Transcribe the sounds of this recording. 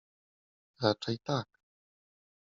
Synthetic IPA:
ɾaʈ͡ʂajt̪ak

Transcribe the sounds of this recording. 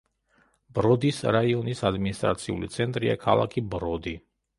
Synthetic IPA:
bɾɔd̪isɾaiɔnisad̪minist̪ʼɾa̰t̪sʰiṵlit̪sʰɛnt̪ʼɾia̰kʰalˠa̰kʰibɾɔd̪i

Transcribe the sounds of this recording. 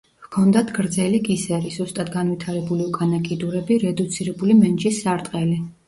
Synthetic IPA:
vkʰɔnd̪at̪ʰɡɾd̪zɛliɡʼisɛɾizust̪ʼad̪ɡanvwit̪ʰaɾɛbuliukʼanakʼid̪uɾɛbiɾɛd̪ut̪sʰiɾɛbulimɛnt͡ʃisːaɾt̪ʼqʼɛli

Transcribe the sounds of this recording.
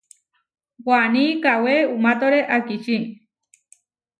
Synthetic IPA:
wanikaweumat̪oɾeʔakiʃi

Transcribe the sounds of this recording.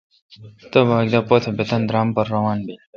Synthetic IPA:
t̪əbʱaːɡd̪aːpot̪ʰbet̪ɐnd̪ɾaːmpɐɾːɐʋaːnbe

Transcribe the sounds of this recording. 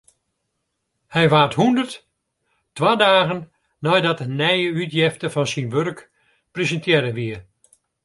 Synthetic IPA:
hɛjʋaːthundərt | tʋaːdaːɣən | nɔjdɔtənɛjəytjɪftəfɔnsinʋørk | prezəntjɛɾəʋiə

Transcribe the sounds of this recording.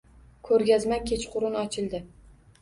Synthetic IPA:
kʰɵɾɡʲazmakʲʰe̞t͡ʃqʰʊɾɪnɒt͡ʃʰɪlˠd̪ɪ

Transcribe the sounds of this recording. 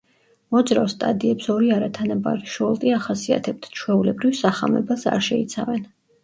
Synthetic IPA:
mɔd̪zɾafst̪ʼa̰d̪iɛpsɔɾiaɾat̪ʰanaba̰ɾiʃɔlˠt̪ʼiaχasia̰t̪ʰɛb̚t̪ʰt͡ʃʰwɛulɛbɾivsaχa̰mɛbasa̰ɾʃɛit̪sʰavɛn

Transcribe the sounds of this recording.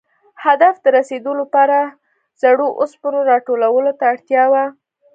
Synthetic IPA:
had̪afd̪əɾased̪olopɑɾa | z̥aɽoʔospənoɾɑʈolawəlot̪aːɽt̪jɑwa

